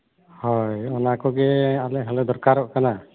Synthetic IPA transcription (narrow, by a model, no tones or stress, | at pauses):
hɔjɔnakɔɡɛalɛɦalɛd̪ɔɾkaɾɔʔkana